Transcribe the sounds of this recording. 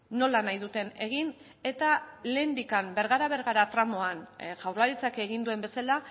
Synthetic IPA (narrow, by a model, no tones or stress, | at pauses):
no̞lanajðut̪e̞ne̞ɣin | e̞t̪aleːnd̪ikambe̞ɾɣaɾaβ̞eɾɣaɾat̪ɾamo̞anʝawɾlaɾit͡sake̞ɣind̪ue̞mbe̞sala